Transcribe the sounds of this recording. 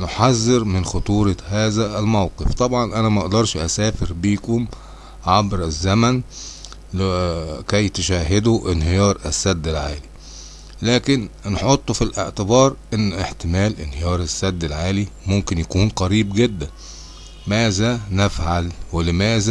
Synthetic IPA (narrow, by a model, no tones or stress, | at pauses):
noħazːɪɾmɪnxot̪ˤuːɾˤɑhæːzæʔælmæwqeft̪ˤɑbʕɑnʔænæmæʔʔd̪ɑɾˤʃʔæsæːfɪɾbiːkom | ʕabɾɪzːæmæn | kæjt̪eʃæːɦad̪uʔɪnɦejɑːɾˤæ̰sːæd̪ːɪlʕaːli | læːkɪnnħot̪ˤːofilʔḛʕt̪ɪbɑːɾˤʔenːʔeħt̪ɪmæːlʔɪnhejɑːɾˤasːæd̪ːɪlʕaːlimomkɪnjækuːnqɑɾiːbɡed̪ːæn | mæːzænæfʕalwɪlɪmæːzæ